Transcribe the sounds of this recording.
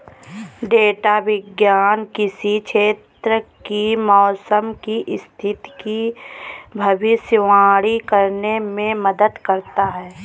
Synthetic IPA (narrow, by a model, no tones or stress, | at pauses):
ɖeːʈaʋɪɡjaːnkɪsikʃʰeːt̪ɾəkimɔːsəmkiʔɪst̪ʰɪt̪ki | bʱɐʋɪʃjəʋaːɽikəɾnemẽmɐd̪əd̪kɐɾt̪aɦɛː